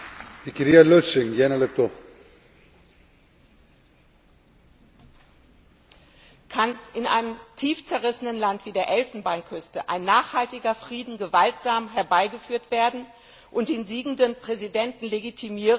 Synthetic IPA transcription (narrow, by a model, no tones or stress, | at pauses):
v̥ikəɾialøsɪŋjɛnəlɛp̚t̪o | kʰanʔɪnʔa̰ɪnəmtʰiːft͡sɛɐʁ̞ɪsənənlantv̥iːdeːɐʔɛlfn̩baɪnkʰʏstəʔa̰ɪnːaːχhaltɪɡɐfʁ̥iːdn̩ɡəvaltz̥aːmɦɛɐbaɪɡəfyːɐtv̥eːɐdn̩ | ʔʊntd̥eːnziːɡŋ̩dənpʁ̥ɛzidɛntn̩leɡitʰimiːʁə